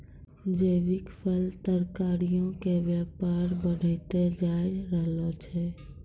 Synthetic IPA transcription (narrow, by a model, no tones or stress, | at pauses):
d͡ʒəːbɪkpʰəlt̪əɾkaːɾijõkebjaːpaːɾbəɽ̤ʱet̪ed͡ʒaːɪɾəɦlot͡ʃʰɛ